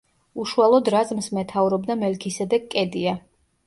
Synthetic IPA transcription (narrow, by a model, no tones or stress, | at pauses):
uʃualˠɔd̪ɾazmsmɛt̪ʰavɾɔbd̪amɛlkʰisɛd̪ɛkʼɛd̪ia